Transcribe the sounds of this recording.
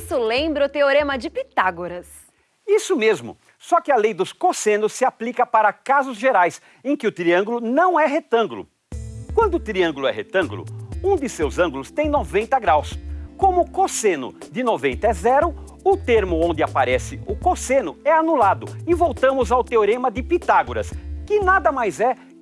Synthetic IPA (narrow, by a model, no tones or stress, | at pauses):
sʊlẽbɾɐʊt̪eoɾẽmɐd͡ʒɪpit̪aɡoɾɐs | isʊmezmʊ̰ | sɔkɪɐlejd̪ʊskosẽnʊsːɪaplikɐpaɾɐkazʊzʒeɾajs | ẽkɪʊt̪ɾiɐ̃ŋɡulʊnɐ̃w̃ɛɦet̪ɐ̃ŋɡʊlʊ̰ | kwɐ̃nd̪ʊːt̪ɾiɐ̃ŋɡulʊɛ̰ɦḛt̪ɐ̃ɡulʊ̰ũd̪ɪsewzɐ̃ŋɡulʊst̪ẽj̃novẽnt̪ɐɡɾawskõmʊkosẽnʊ̰d̪ɪnovẽnt̪ɐɛzɛɾʊ | ʊt̪eɾmʊõnd̪ɪapaɾɛsɪʊkosẽnʊɛanulad̪ʊɪvowt̪ɐ̃mʊzawt̪eoɾẽmɐd̪ɪpit̪aɡʊɾɐ̰skɪnad̪ɐmajzɛ